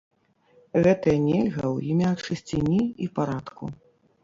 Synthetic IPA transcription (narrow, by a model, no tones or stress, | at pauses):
ɣɛt̪ɐjɐnʲelʲɣɐwjimʲat͡ʂɨsʲt͡sʲinʲiipaɾat̪kṵ